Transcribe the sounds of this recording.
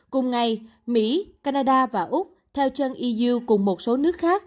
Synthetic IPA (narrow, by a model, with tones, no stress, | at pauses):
kʊ˨˩ŋ͡mŋa˨˩j | mḭ˧˥kaː˧naː˧ɗaː˧vaː˨˩ʔʊ˦˥k͡p̚t̪ʰɛ˧wt͡ɕə˧nʔi˧zɨ˧wkʊ˨˩ŋ͡mmo˨˩t̚so˨˦nɨ˦˥ək̚xaː˦˥k̚